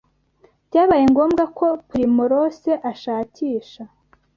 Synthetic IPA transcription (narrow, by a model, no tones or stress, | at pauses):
djaːβajeŋɡo̞ːmɡako̞pɾimuɾoseʔaʃaːciːʃa